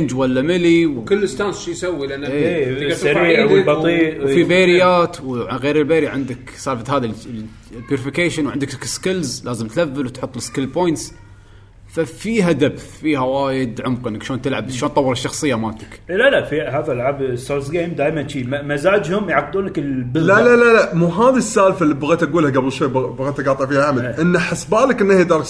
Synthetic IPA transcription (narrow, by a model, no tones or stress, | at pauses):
nd͡ʒwalːamɪliwkɪlːɪst̪aːnsʃijsawːilanaeeːsaɾiːbɑˤiːfibeːɾɪjːaːt̪wʕaɣeːɾɪlbeːɾʕɪnd̪ɪksɑːfat̪haːði | bjuɾɪfɪkeːʃɪnwʕɪnd̪ɪkkskɪlzlaːzɪmt̪lavːɪlwt̪ħʊt̪ˤːlɪskɪlpoːjnt̪s | fafiːɦad̪abθfiːhawaːjɪd̪ʕʊmqʔɪnːɪkʃoːnt̪ɪlʕabʃoːnt̪ˤɑwːɑɾɪʃːɑxsˤɨjːamaːt̪ɪkːlalafiɦaːðalʕabsoɾsɡeːmd̪aːjmant͡ʃiːmazaːd͡ʒhʊmjʕaq̚d̪uːnlɪkɪlbɪlalalalamuːɦaːðisːaːlfalːibaɣeːt̪ʔaɡuːlhaɡablʃweːbbaɣeːt̪aɡɑːt̪ˤɪʕfiːhaʕamalʔɪnːaħasbaːlɪkʔɪnːahjd̪ɑːɾˤ